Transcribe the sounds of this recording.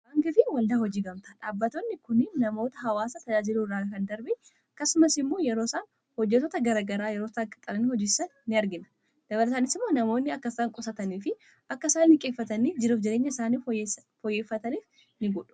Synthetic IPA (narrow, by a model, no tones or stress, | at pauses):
ʔaŋɡɪfɪwɐld̪aːhɔd͡ʒiːɡɐmt̪aːᶑaːbːɐt̪oːnːɪkʊnɪnːɐmo̞ːt̪ɐɦɐwaːsɐt̪ɐd͡ʒaːd͡ʒɪluːrːaːkɐnd̪ɐɾbɪ | ɐkːɐsʊmɐsɪmːoːjɛɾoːsaːn | hɔd͡ʒːɛt̪ɔːt̪ɐɡɐɾaɡɐɾaːjɛɾo̞ːtakʼɐk̪ʼːɐlɐnɪhɔd͡ʒɪːsɐnːɪɐɾɡɪnɐ̥ | d̪̥ɐbɐlɐsaːnɪsɪmːoːnɐmo̞ːnːɪɐkːɐsɐŋkʼɔsɐt̪ɐniːfɪ | ʔɐkːɐsaːnːɪkʼe̞ːfːɐt̪ɐniːd͡ʒɪɾuːfd͡ʒɛɾeːɲːɐɪsaːniː | fɔjːeːfːɐt̪ɐniːf | nɪɡɔᶑʊ̥